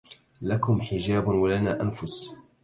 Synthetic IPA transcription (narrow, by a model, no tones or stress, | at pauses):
lakʊmħɪd͡ʒaːbwalanaːʔanfʊs